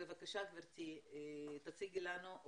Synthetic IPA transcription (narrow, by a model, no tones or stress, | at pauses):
evakaʃakveɾt̪i | t̪at͡siɡilanuʔ